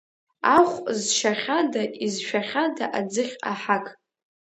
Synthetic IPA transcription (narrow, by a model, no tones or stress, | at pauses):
aχʷzʃaχʲadaizʃᶣaχʲadaʔad͡zɨχʲa̰ħakʼ